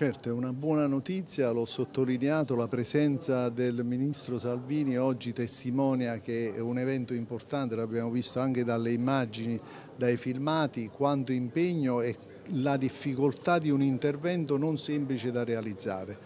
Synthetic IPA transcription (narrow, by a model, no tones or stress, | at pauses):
t͡ʃɛrt̪oɛunabwɔːnanot̪it̪sːjalɔsːot̪ːolineaːt̪olapɾɛsɛnt̪sad̪elminist̪ɾosalviːniɔd͡ʒːit̪est̪imɔːnjak̟eɛunɛvɛnt̪oimport̪ant̪eloabjaːmovist̪oaŋk̟ed̪alːeimad͡ʒini | d̪ajfilmaːt̪ikwant̪oimpɛɲːoɛ | lad̪ifːikolt̪ad̪iunint̪ervɛnt̪ononsɛmplit͡ʃed̪arealid̪zːa̰ːɾe